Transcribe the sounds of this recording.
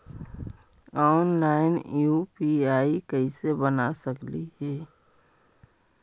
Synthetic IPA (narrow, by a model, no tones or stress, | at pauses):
ɔːnlaːɪnjupiaːikəisebənasəklihɛː